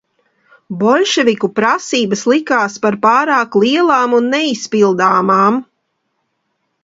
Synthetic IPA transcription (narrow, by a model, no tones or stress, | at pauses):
bɔlʲʃɛvʲikupɾasiːbəslˠikaːspaɾpaːɾaːklˠiɛlˠaːmunːɛispilˠd̪aːmaːm